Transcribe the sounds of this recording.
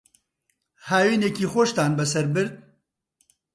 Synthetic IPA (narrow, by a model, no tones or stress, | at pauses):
haːwiːneːkiːxoʃt̪aːnbɛsɐɾbɨɾd̪̚